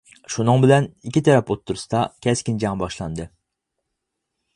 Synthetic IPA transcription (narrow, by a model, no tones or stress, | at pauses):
ʃunɨŋbɪlɛnikʲit̪ʰɛɾɛpot̪ʰːuɾusɨd̪ɑkʲʰɛskʲind͡ʒɑŋbɑʃlˠɑnd̪ɨ